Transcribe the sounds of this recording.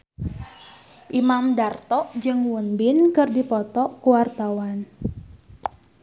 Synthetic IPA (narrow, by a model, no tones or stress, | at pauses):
ʔimamdart̪ɔʔd͡ʒɨŋwunbɪnkɨrdipɔt̪ɔʔkuwart̪awan